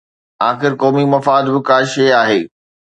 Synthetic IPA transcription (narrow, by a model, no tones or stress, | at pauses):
aːxɪɾkɔːmimɐfaːd̪bɪkaːʃeaːɦeː